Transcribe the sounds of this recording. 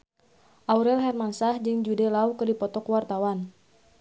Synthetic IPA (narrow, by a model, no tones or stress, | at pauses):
ʔauɾɛlɦɛrmansahd͡ʒɨŋd͡ʒudɛlaukɨdipɔt̪ɔkwart̪awan